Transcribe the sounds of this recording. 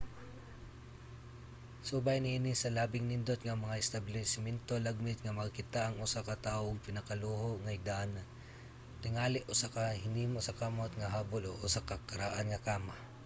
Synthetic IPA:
subajnɪʔinɪsɐlaːbɪŋnɪnd̪ot̪ŋɐmɐŋaʔɪst̪abɪlɛsɪmɛnt̪olaɡ̚mɪt̪̚ŋɐmɐɡkɪt̪aʔɐŋʊsakɐt̪aːʔoŋpɪnɐkaluːhoʔŋɐɪɡ̚d̪aʔanɐ | t̪ɪŋaːlɪʔʊsakahɪniːmosɐkamot̪ŋɐɦaːboloʔʊsakakɐɾaʔanŋɐkaːma

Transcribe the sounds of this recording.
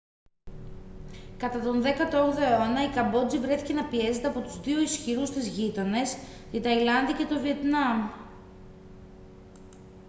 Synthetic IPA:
kɐt̪ɐt̪o̞nðe̞kɐt̪ooɣðoeonɐikɐmbo̞d͡zivɾe̞θice̞nɐpie̞ze̞t̪eɐpo̞t̪uzðioisçiɾust̪izʝit̪o̞ne̞sit̪ɐilɐnðice̞t̪o̞vie̞t̪nɐm

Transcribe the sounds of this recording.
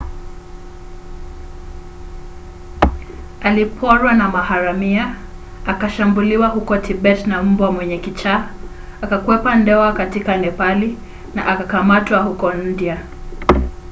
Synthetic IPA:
alipʰɔɾwanamahaɾamia | akaʃambuliwaɦukɔtʰibɛtnam̩bwamwɛɲɛkit͡ʃaː | akakwɛpandɛwakatikanɛpali | na̰ʔakakamatwahukɔn̩dia

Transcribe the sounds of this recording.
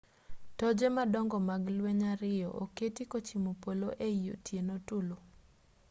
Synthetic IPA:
tɔd͡ʒemadɔŋɡɔmaɡlweɲaɾɪjɔ̰ʔo̰ketikot͡ʃimopoloʔeijo̰tʰjenotulo

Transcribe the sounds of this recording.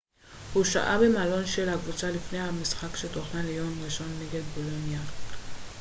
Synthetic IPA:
huʃa̰ʔa̰bemalɔnʃelaɡvut͡salifnehamisxakʃet̪ʰoχnalejomʁeʃɔnːeɡed̪bolonija

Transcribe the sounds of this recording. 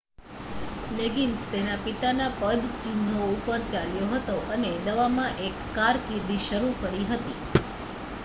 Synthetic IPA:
leɡinst̪enapit̪anapəd̪ʱt͡ʃɪnd̪ʱoupəɾt͡ʃaljoɦət̪oʔəned̪əʋamãʔekːaɾkiɾd̪iʃəɾukəɾiɦət̪i

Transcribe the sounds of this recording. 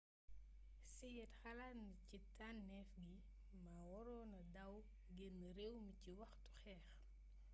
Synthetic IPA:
sɛjɛtxɐlaːnicitanːɛfɡi | maːwɔɾɔːnɐdɐw | ɡenːɐɾewmiciwɐxtu̥xɛːx

